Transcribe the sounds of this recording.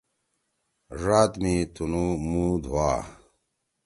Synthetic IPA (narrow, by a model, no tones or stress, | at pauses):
ʐaːt̪mit̪ʰunumuːd̪ʱwaː